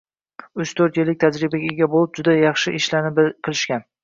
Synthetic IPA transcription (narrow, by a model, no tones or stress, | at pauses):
ʊt͡ʃt̪ʰɵɾt̪jɪlːɪk̚ʲt̪ʰad͡ʒɾɪbaɡʲɡʲabolˠɪp̚d͡ʒʊd̪ajɑχʃɪʔɪʃlanɪbqʰɨlˠɪʃkʲan